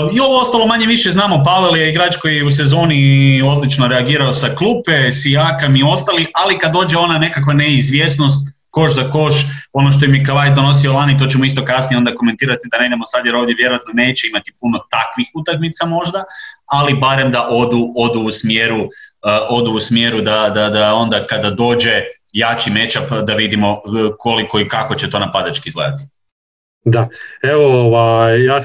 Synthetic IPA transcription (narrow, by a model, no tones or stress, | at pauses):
io̞ʋoo̞st̪alo̞maɲe̞ʋiʃeznaːmo̞paʋeljeiɡɾaːt͡ʃko̞jjeus̬ezo̞ːnio̞d̪lit͡ʃno̞ɾeaɡiːɾaosaklˠuːpesiakamio̞st̪alialikad̪oːd͡ʒe̞o̞nane̞kakʋaneizʋje̞sno̞st̪ | ko̞ʃzako̞ʃo̞no̞ʃ̬t̪o̞jemjekaʋajd̪d̪ono̞s̬io̞lanit̪o̞ːt͡ɕemoist̪o̞kasnijeo̞nd̪ako̞ment̪iːɾat̪id̪ane̞id̪emo̞sad̪jeɾo̞ːʋd̪je̞ʋje̞ɾoat̪no̞ne̞ːt͡ɕe̞imat̪ipuno̞t̪akʋixut̪akmit̪samo̞ʒd̪aalibaɾe̞md̪aʔo̞d̪uo̞d̪uːsmjeːɾu | o̞d̪uusmje̞ɾud̪ad̪ad̪ao̞nd̪akad̪ad̪o̞ːd͡ʒe̞ | jat͡ʃime̞t͡ʃapd̪aʋid̪imo̞kʰoliko̞ikako̞t͡ɕet̪o̞ːnapad̪at͡ʃkizɡla̰d̪at̪i̥ | d̪aeʋooʋajjaː